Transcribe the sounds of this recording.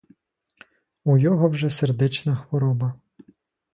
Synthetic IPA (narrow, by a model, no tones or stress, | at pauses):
ujɔɦɔwʒɛserd̪ɛt͡ʃnɐxʋɔɾɔbɐ